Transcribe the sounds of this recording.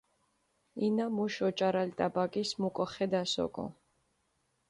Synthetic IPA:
inamuʃɔt͡ʃʼaɾalt̪ʼabakʼismukʼɔχɛd̪asɔ̰kʼɔ̰

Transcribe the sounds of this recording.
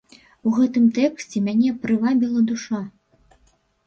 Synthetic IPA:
uɣɛt̪ɨmt̪ɛksʲt͡sʲɛmʲanʲɛpɾɨvabʲilˠɐd̪uʂa

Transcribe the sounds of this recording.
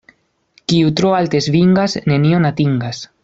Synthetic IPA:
kiut̪ɾoalt̪ezβiŋɡasne̞nionat̪iŋɡas

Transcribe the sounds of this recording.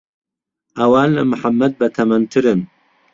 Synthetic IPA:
ʔɐwaːnlɐmɨħamːɐd̪̚bɐt̪ʰɐmɐnt̪ʰɨɾɨn

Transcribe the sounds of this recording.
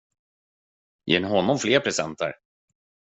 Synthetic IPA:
jʔɛ̰naɦɔnːɔmfleːɾpʰɾɛsɛ̰nt̪ə̰ɾ

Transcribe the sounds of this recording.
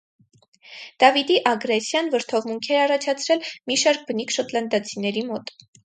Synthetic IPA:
d̪̥ɑvid̪iʔɑɡɾɛsjɑnvəɾt̪ʰɔvmuŋkʰɛɾɑrɑt͡ʃʰɑt͡sʰɾɛlmiʃɑɾk̚bənikʰʃɔt̪lɑnd̪ɑt͡sʰinɛɾimɔt̪

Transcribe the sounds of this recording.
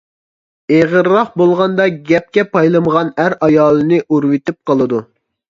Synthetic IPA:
eʁəɾːɑχbolˠʁɑnd̪ɑɡʲɛp̚kʲɛpʰɑjlˠɨməʁɑnæɾɑjɑːlˠɨnɨʔuɾwɪt̪ɪp̚qəlˠɨd̪u

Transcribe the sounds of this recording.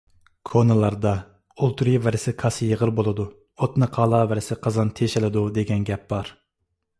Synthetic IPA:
kʰonɨlˠɑɾd̪ɑ | olˠt̪ʰɾivɛɾɪsɪkʰɑsjəʁəɾbolˠɨd̪u | ot̪nɨqʰɑːlˠɑvɛɾɪsɪqʰɑzɑnt̪ʰeʃɪlɪd̪ud̪eɡʲɛnɡʲɛp̚b̥ɑɾ

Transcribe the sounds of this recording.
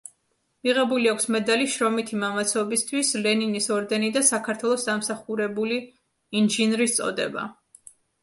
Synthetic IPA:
miʁɛbuliakʷʰsmɛd̪aliʃɾɔmit̪ʰimamat̪sʰɔbist̪ʰwislɛninisɔɾd̪ɛnid̪asakʰaɾt̪ʰwɛlˠɔsd̪amsaχuɾɛbuli | inʒinɾist̪sʼɔ̰d̪ɛ̰ba̰

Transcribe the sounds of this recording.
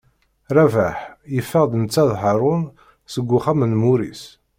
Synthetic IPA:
ɾˤævæħjəfːəʁd̪ənət͡sːæðɦəɾˤʊn | səɡʷːʊχæmənmuɾḭs

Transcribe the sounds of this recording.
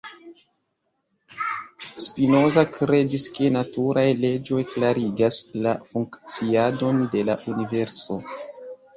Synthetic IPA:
spino̞zakɾe̞diske̞natuɾajle̞d͡ʒo̞jklaɾiɡaslafuŋkt͡siado̞nde̞laʔunive̞ɾso̞

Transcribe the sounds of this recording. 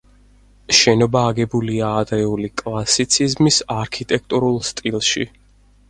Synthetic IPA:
ʃɛnɔbaːɡɛbuliaːd̪ɾɛulikʼlˠasit̪sʰizmisaɾkʰit̪ʼɛk̚ʰt̪ʼuɾulˠst̪ʼilˠʃḭ

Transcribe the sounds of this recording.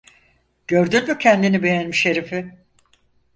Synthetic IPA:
ɟ̥ø̞ɾd̪ynmycʰɛnd̪inibe̞jænmiʃeɾifɪ

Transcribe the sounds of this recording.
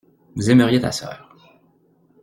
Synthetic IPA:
vuzɛməʁjet̪a̰sœ̰ːʁ

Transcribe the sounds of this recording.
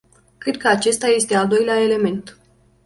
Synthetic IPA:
kɾe̞d̪̚kəat͡ʃe̞st̪aje̞st̪e̞ald̪o̞jleae̞le̞me̞nt̪

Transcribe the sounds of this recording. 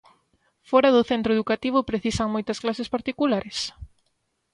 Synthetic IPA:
fɔɾɐðʊθent̪ɾoeðukat̪iβ̞ʊpɾeθisaŋmojt̪ɐsklasespaɾt̪ikulaɾes

